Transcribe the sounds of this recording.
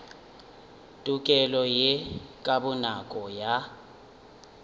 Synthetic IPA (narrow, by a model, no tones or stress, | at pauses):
tʼukʼɛlɔjɛkʼaɓunakʼɔja